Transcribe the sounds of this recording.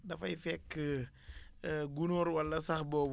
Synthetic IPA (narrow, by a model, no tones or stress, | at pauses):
dɐfɐjfɛkːə | ɡunɔːɾwɐlːɐsɐxbɔːb